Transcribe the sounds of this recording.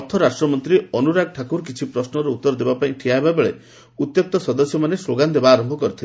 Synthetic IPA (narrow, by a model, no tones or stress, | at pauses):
ɔɾt̪ʰːɔɾasʈɾɔmɔnt̪ɾiɔnuɾaɡ̚ʈʰakuɾkit͡ʃʰipɾɔsnɔɾeut̪ːɔɾɔd̪ebapaĩʈʰiaɦebabeɭe | ut̪jɔk̚t̪ɔsɔd̪ɔsjɔmanesloɡand̪ebaːɾɔmbʱɔkɔɾit̪ʰila